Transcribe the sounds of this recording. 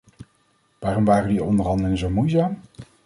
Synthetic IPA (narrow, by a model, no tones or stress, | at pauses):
ʋaːrɔmʋaːrəndiɔndərɦɑndəlɪŋənzowmujzaːm